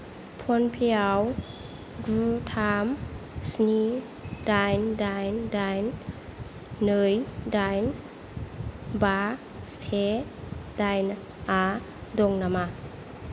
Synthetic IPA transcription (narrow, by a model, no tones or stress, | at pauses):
pʰɔnpʰijaw | ɡɾutʰamsni | dajndajndajn | ɯjdajn | ba | se | dajn | a | dɔŋnama